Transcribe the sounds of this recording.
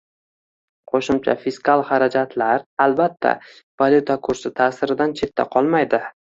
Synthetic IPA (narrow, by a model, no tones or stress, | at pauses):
qʰoʃʊmt͡ʃʰa̰fɪskʰalˠχaɾad͡ʒat̪ʰlaɾalbat̪ʰːa̰ | valʲjut̪ʰakʰʊɾsɪt̪ʰaːsɪɾɪd̪ant͡ʃʰe̞t̪ːa̰qʰɒlˠmajd̪ɪ